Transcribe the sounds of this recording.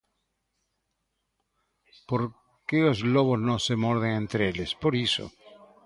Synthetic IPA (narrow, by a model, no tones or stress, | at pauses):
poɾ | kelozloβoznosemoɾð̞eŋẽnt̪ɾeelespoɾiso̰